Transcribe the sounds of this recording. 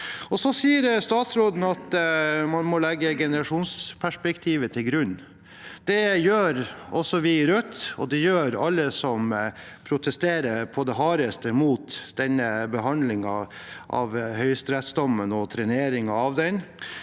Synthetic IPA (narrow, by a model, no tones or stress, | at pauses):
ɔsɔsiːəɾst̪ɑːt̪sɾoːd̪n̩ɑt̪mɑnmɔlɛɡːəɡɛnəɾɑʂuːnspʰæʂpɛkt̪ʰiːʋət̪ʰɪlɡɾʉn | d̪̥ɛjøːɾɔsːɔʋɪɾœt̪ːɔ̰d̪ɛjøːɾɑlːəsɔm | pʰɾʊt̪ʰɛst̪eːɾəɾpʰɔd̪ɛɦɑːɾəst̪əmuːt̪d̪̥ɛnəbəɦɑnd̪lɪŋɑʔɑ̰ʋhœʏst̪ɾɛt̪sd̪ɔmːənɔt̪ʰɾɛneːɾɪŋɑɑʋd̪ɛn